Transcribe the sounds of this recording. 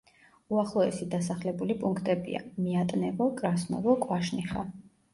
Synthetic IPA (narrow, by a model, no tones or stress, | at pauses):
uaχlˠɔɛ̰sid̪asaχlɛbulipʼuŋkʰt̪ʼɛbḭa̰miat̪ʼnɛvɔkʼɾasnɔ̰vɔkʼwaʃniχa̰